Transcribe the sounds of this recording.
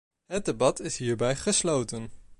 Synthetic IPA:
ɦət̚debɑtɪsɦiːɹbɛjχəslowtən

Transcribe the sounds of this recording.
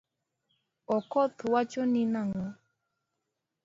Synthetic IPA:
ɔkɔt̪ʊwat͡ʃɔninaŋɔ

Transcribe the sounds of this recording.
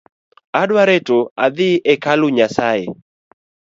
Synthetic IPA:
adwaɾetoaðɪʔɛkalʊɲasae

